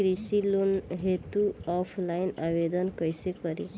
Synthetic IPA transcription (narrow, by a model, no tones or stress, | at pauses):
ɾisilonɦet̪uɔpʰlajnabed̪ɔnkɔjsekɔɾi